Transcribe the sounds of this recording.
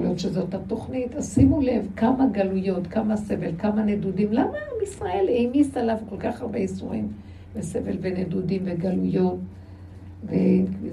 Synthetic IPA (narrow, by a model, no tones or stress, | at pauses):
oljotʃezo̞tato̞χnitasimule̞vkamaɡalujo̞tkamase̞ve̞lkamanedudimlamaamisʁae̞lejmistalavko̞lkaχhaʁbeisuʁim | bese̞velvenedudimveɡalujo̞t | veenkvi